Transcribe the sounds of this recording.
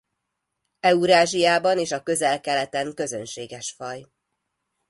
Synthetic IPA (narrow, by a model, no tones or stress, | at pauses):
ɛuɾaːʒijaːbɒneːʃɒkø̞zɛlkɛlɛt̪ɛŋkø̞zønʃeːɡɛʃfɒj